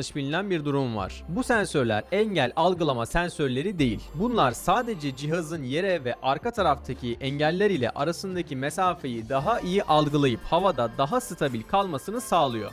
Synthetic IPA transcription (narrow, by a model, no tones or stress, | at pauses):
ɯʃbilʲinænbiɾd̪uɾumva̰ɾ̥busɛnsøɾlʲæ̰ɾɛɲɟælʲalˠɡɯlˠamasɛnsøɾlʲe̞ɾid̪e̞jilʲbunlˠaɾsaːd̪e̞d͡ʒɛd͡ʒiɦazɯnje̞ɾɛvɛʔaɾkʰat̪ʰaɾaft̪ʰacʰiʔɛɲɟælʲːæɾilʲɛ̰ʔaɾasɯnd̪acʰimesaːfe̞jid̪aɦaʔijiʔalˠɡɯlˠajɯphavad̪ad̪aɦasɯt̪ʰabilʲkʰalˠmasɯnɯsaːlˠɯjo̞̰